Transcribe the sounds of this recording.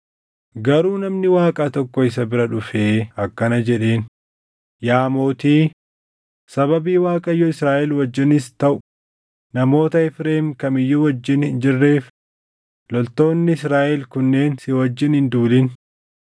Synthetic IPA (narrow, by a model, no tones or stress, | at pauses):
ɡɐɾuːnɐmnɪwaːkʼat̪ɔkːɔɪs̬ɐbɪɾɐᶑʊfeːɐkːɐnɐd͡ʒɛᶑe̞ːn | jaːmo̞ːt̪iː | sɐbɐbiːwaːkʼɐjːɔɪsɾaːʔɛlwɐd͡ʒːɪnɪst̪ɐʔʊ | nɐmo̞ːt̪ɐɛfɾeːmkɐmɪjːuwɐd͡ʒːɪnhɪnd͡ʒɪrːe̞ːf | lɔlt̪o̞ːnːɪɪsɾaːʔɛlkʊnːe̞ːnsɪwɐd͡ʒːɪnhɪnd̪uːlɪn